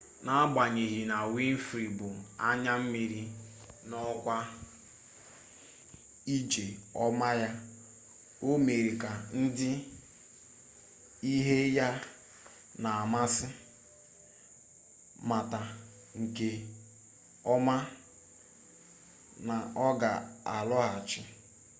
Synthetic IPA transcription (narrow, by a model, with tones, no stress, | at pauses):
na˦ɡ͡ba˨ɲe˨ɣi˨na˨wi˦n̩˦fɾi˨bʊ˨a˦ɲa˦m̩˦mi˨ɾi˦ | nɔ˦kʷa˦ | i˦d͡ʒe˨ɔ˦ma˦ja˦ | o˦me˨ɾi˨ka˨n̩˦dɪ˦ | i˦ɦe˦ja˦ | na˨a˨ma˦sɪ˦ | ma˨ta˨ | ŋ̩˨ke˦ | ɔ˦ma˦ | na˨ɔ˦ɡa˨a˨lɔ˦ɦa˨t͡ʃɪ˦